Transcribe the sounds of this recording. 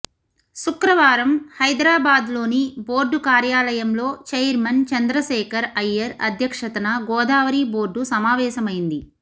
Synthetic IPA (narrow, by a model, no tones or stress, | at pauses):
sukɾɐʋaːɾɐmhɐjd̪ɾaːbaːd̪lo̞ːniboːɾɖukaːɾjaːlɐjɐmlo̞ːt͡ʃɐjɐɾmɐnt͡ʃɐnd̪ɾɐʃɛːkɐɾɐjːɐɾɐ̰d̪ʱjɐkʂɐt̪ɐnɐɡɔːd̪aːʋɐɾiːbo̞ːɾɖusɐmaːʋɛːʃɐmɐjind̪i